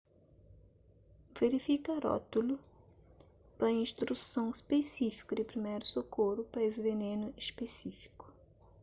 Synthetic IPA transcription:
veɾifikaɾɔ̰t̪ulu | pɐĩnst̪ɾusõw̃espesifi̥kʊd̪ɪpɾimejɾʊsokoɾʊpɐesvenẽnʊispesifi̥kʊ̥

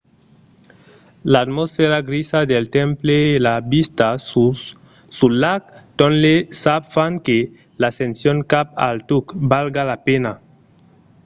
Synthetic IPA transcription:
laːt̪mosfeɾaɣɾisaðelt̪ẽmpleːlabist̪a | sulakt̪õnlesafaŋke | lasensjoŋkapa̰lt̪ukbalɡalapena

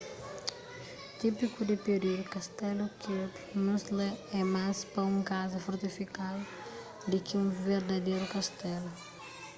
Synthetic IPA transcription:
t̪ipikud̪ɪped̪iɾukɐst̪ɛlukep | nusleɛmaspɐũŋkazɐfoɾt̪ifikal | d̪ɪkɪũveɾd̪ɐd̪ejɾukɐst̪ɛlu

